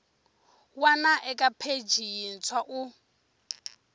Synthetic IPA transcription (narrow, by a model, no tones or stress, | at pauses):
wanaʔɛkʼapʰed͡ʒʱin̩t͡sʰwaʔu